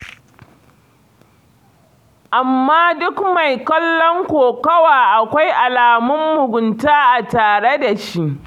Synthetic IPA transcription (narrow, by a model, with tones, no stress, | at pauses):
ʔa˨mːaː˦dʊ˦kma˨jkɐ˦lːɔ˦ŋkʷoː˨kɐ˦waː˨ʔa˨kʷa˦jʔa˨laː˨mʊ˦mːʊ˨ɡʷʊ˨ntaː˦ʔa˨taː˨ɽe˦da˨ʃi˦ʔ